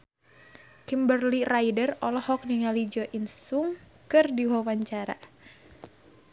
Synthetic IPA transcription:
kimbərlirajdərɔlɔhɔk̚niŋalid͡ʒɔʔinsuŋ | kɨrdiwawaɲt͡ʃaɾa̰

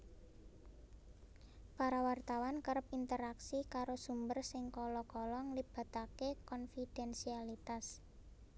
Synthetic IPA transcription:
paɾawart̪awankəɾəp̚int̪əɾaksikaɾosumbərsɪŋkɔlɔkɔlɔŋlib̥a̤t̪akekɔnfid̥ɛnsialit̪as

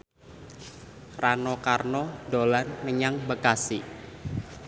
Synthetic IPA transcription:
ranɔkarnɔdo̤lanːəɲaŋbəkasi

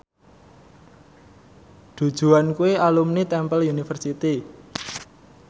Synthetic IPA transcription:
d̪̥ṳd̥ʒ̥ṳankueʔalumnit̪ɛmpəlunifərsit̪i

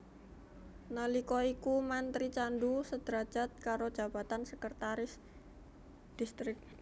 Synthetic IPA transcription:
nəlikɔikumant̪ɾit͡ʃandusəd̪̥ɾḁd͡ʒ̥a̤t̪̚kaɾo̥d͡ʒ̥a̤b̥at̪ansəkərt̪aɾɪs | d̪̥ist̪ɾɪk̚

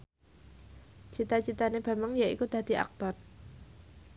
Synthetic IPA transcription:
t͡ʃit̪at͡ʃit̪aneb̥a̤məŋjaḭkud̪̥a̤d̪̥i̤ʔa̰k̚t̪ɔr

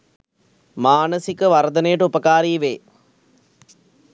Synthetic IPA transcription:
maːnəsikəʋɐɾd̪ɐnəjɐʈəupɐkaːɾiːʋeː

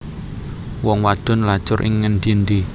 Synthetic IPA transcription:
wɔŋwḁd̥ɔ̤nlad̥ʒ̥ʊɾʔɪ̰ŋːənd̪ind̪i

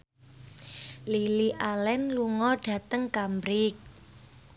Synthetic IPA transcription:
liliʔalɛnluŋɔɖ̥ä̤t̪əŋkambɾɪk̚

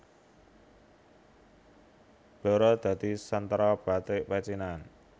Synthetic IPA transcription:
d̪̥ɔ̤ɾɔd̪̥ä̤d̪̥i̤sənt̪ɾɔb̥a̤t̪ɪʔwɛt͡ʃinan

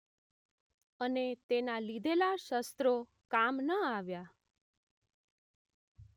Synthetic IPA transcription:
ənet̪enalid̪ʱelaʃəst̪ɾo | kamnəaʋja

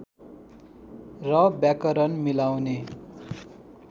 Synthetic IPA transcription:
rʌbjakʌɾʌnmilawne

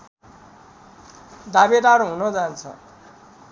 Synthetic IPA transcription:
d̪abeʈaɾuɦũnʌd͡zant͡sʰʌ̰

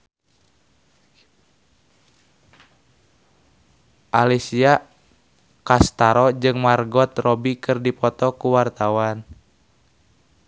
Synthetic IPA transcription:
ʔalisia | kast̪aɾɔd͡ʒɨŋmarɡɔt̪rɔbikɨrdipɔt̪ɔkuwart̪awan

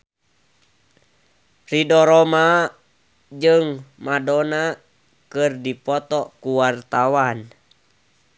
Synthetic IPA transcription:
ridɔɾɔma | d͡ʒɨŋmadɔna | kɨrdipɔt̪ɔkuwart̪awan

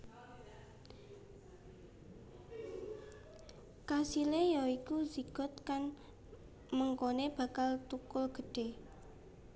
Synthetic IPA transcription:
kasilejɔikuziɡ̥ɔ̤t̪̚kan | məŋkoneb̥a̤kalt̪ukʊlɡ̥ə̤ɖ̥e̤

